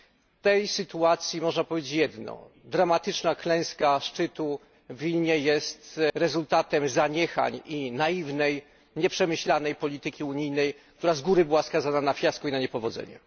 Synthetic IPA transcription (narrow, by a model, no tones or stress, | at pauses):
t̪ɛjsɘt̪uat̪sʲjimɔʐnapɔvʲed͡ʑet͡ɕjɛd̪nɔ̰ | d̪ɾamat̪ɘt͡ʂnaklɛ̃w̃skaʂt͡ʂɘt̪u | vʲilɲɛjɛst̪ɾɛzult̪at̪ɛmzaɲɛxa̰ɲinajivnɛj | ɲɛpʂɛmɘɕlanɛjpɔlʲit̪ɘkʲiuɲijnɛjk̚t̪uɾazɡuɾɘbɘwaskazananafʲjaskuinaɲɛpɔvɔd̪zɛ̰ɲɛ̰